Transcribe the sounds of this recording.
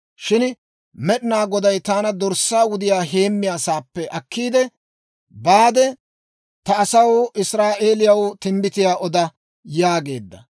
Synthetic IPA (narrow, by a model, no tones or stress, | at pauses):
ʃɪn | mɛɗɪnaːɡɔd̪ɐjt̪aːnɐd̪ɔɾsːaːwʊd̪ɪjaːɦe̞ːmːɪjaːsaːpːɛʔɐkːiːd̪ɛ | baːd̪ɛ | t̪ɐːsɐwɪsɾaːʔe̞ːlɪjɐwt̪ɪmbɪt̪ɪjaːʔɔd̪ɐ | jaːɡe̞ːd̪ːɐ̰